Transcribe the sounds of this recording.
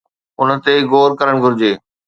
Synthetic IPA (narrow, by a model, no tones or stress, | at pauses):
ʊnə̆t̪eɡoːɾkɐɾəɽ̃ɡʱʊɾɪd͡ʑeː